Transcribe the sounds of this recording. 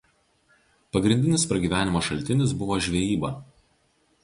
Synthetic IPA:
pɐɡɾʲɪnʲd̪ʲɪnʲɪspɾɐɡʲiːʋʲæːnʲɪmɐʃɐlʲt̪ʲɪnʲɪsbʊʋoːʒʲʋʲɛjiːbɐˑ

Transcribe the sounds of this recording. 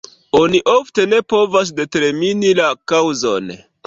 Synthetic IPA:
o̞niʔofte̞ne̞po̞vas̬de̞te̞ɾminilakawzo̰n

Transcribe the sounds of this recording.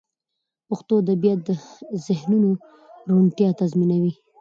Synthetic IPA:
pʊxt̪od̪əbjɑd̪əzɪhnuno | ɾunt̪jɑt̪azminawi

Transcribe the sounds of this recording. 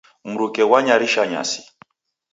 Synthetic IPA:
m̩ɾukɛwaɲaɾiʃaɲa̰si̥

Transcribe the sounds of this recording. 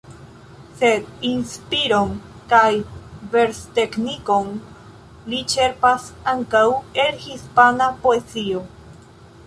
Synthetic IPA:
se̞d̪inspiɾon | kajve̞ɾst̪e̞kniko̞n | lit͡ʃe̞ɾpasaŋkawe̞lhispanapoet͡sio̞

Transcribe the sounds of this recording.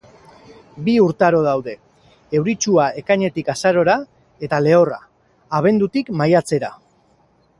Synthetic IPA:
biuɾt̪aɾo̞ð̞awðe̞ | ewɾit͡ʃuae̞kaɲe̞t̪ikasaɾo̞ɾa | e̞t̪ale̞o̞ra̰ː | β̞e̞nd̪ut̪ikmajat͡se̞ɾa̰

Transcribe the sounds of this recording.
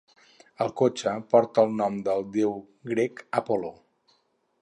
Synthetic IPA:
əlˠkot͡ʃəpɔɾt̪əlˠnɔmd̪əlˠd̪ew | ɡɾekəpolo

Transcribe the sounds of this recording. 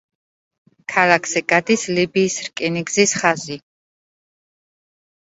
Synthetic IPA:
kʰalakʰsɛɡad̪islibiːsɾkʼɛniɡzisχazi

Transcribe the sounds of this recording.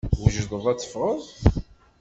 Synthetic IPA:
wəʒədˤəðˤæt͡sːə̥fʁˤəðˤ

